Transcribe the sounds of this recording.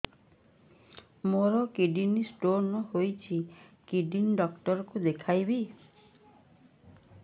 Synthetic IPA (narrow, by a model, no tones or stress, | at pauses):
moɾɔkiɖinisʈoɾnɔhojt͡ʃʰikiɖinɖɔkʈɔɾɔkud̪ekʰajbi